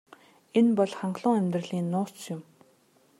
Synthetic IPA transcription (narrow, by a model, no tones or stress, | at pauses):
enpɔɮχaɴɢɮʊːŋæmʲt̪rə̆ɮiːnːʊːt͡sjʊm